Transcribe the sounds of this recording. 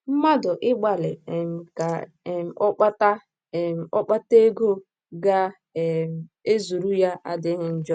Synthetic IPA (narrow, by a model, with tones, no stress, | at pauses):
m̩˦ma˦dʊ˨ʔɪ˦ɡ͡ba˨lɪ˨m̩˨ka˨ | m̩˨ɔ˦k͡pa˦ta˦˨ | m˨ɔ˦k͡pa˦te˦ɡo˦ | ɡa˦˨ | m̩˨e˦zu˨ɾu˦ja˦ʔa̰˦dɪ˦ŋɪ˦n̩˦d͡ʒɔ˦